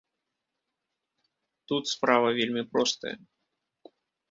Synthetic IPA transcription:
t̪ut̪spɾavɐvʲelʲmʲipɾɔst̪ɐ̰jɐ̰

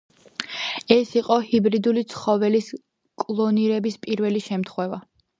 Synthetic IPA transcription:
ɛsiqʼɔhibɾid̪ulit̪sʰχɔvɛlis | kʼlˠɔniɾɛbispʼiɾvɛliʃɛmt̪ʰχwɛva

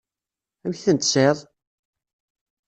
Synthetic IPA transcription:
æmçθənt̪seðˤ

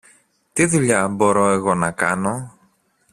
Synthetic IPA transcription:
t̪iðuʎɐbo̞ɾo̞e̞ɣo̞nɐkɐno̞

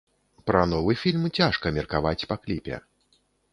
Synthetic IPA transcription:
pɾɐnɔvɨfʲilʲmt͡sʲaʂkɐmʲɛrkavat͡sʲpɐklʲipʲɛ̰

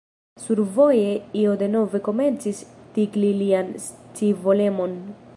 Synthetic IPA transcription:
suɾvo̞je̞io̞de̞no̞ve̞ko̞me̞nt͡sistiɡlilianst͡sivo̞le̞mo̞n

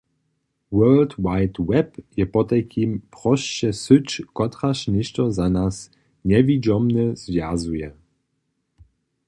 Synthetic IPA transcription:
wɜːltwajtwɛpjɛpɔt̪ɛkʰimpʁɔʃt͡ɕɛsɨt͡ʃkɔt̪ʁaʃnɪʃtɔzanas | ɲɛvid͡ʒɔmnɛz̥vjazujɛ

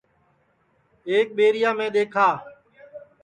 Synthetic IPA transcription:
eːk̚ɓeːɾɪjãːmẽːɗ̪eːkʰaː

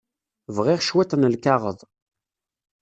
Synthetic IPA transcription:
vʁiʁʃwæt̪ˤənəlkaʁəðˤ

